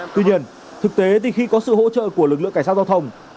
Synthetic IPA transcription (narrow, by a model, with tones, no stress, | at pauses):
t̪wi˧ɲi˧ən | t̪ʰɨ˨˩k̚t̪e˨˦t̪ʰi˨˩xi˧kɔ˨˦sɨ̰˧˨ho̰˧˥t͡ɕə̰ː˧˨ku˧˩əlɨ˨˩k̚lɨ̰˧˨ŋa˧˩s̚ːza˧wt̪ʰə˧wŋ͡m